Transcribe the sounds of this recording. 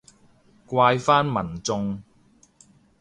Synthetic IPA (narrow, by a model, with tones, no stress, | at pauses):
kʷaː˧jfaː˥nmɐ˨˩nt͡sʊ˧ŋ